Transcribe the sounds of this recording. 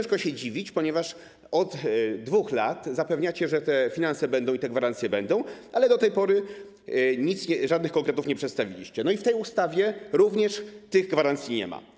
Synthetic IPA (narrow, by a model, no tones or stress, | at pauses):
ɛ̃ʂkɔɕɛd͡ʑivʲit͡ɕpɔɲɛvaʂ | ɔt̪d̪vuxlat̪zapɛvɲat͡ɕɛʐɛt̪ɛfʲinansɛbɛnd̪ɔ̃w̃it̪ɛɡvaɾant̪sʲjɛbɛnd̪ɔ̃w̃alɛd̪ɔt̪ɛjpɔɾɘ | ɲit̪sɲɛʐad̪̚nɘxkɔ̃ŋkɾɛt̪ufɲɛpʂɛt̪st̪avʲilʲḭɕt͡ɕɛnɔift̪ɛjust̪avʲjɛɾuvɲɛʂt̪ɘɣɡvaɾant̪sʲjiɲɛ̰ma̰